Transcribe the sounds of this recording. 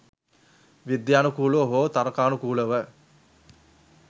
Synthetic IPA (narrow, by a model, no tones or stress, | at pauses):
ʋid̪jaːnukuːləʋəɦoːt̪aɾɐkaːnukuːləʋə